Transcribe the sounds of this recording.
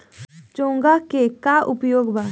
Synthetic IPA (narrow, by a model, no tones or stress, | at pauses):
t͡ʃõːŋɡakekaʔʊpjoːɡbʱa